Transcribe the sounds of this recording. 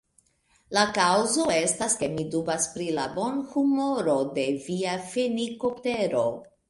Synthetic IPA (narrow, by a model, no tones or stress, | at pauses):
lakawzo̞e̞staske̞midubaspɾilabo̞nhumo̞ɾo̞de̞viafeniko̞pte̞ɾo̞